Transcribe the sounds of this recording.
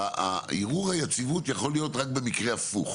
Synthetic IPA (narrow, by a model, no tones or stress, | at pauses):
a̰iʁuʁhajat͡sivutjaχo̞lijo̞tʁak̚be̞mikʁe̞afṵχ